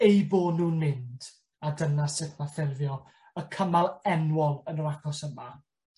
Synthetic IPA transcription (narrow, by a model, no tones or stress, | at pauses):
ejboːdnuːnmɪnd̥ | adənasɪθnaθɪrvjɔ | əkʰəmalˠɛnwɔlˠənəɾakʰɔsəma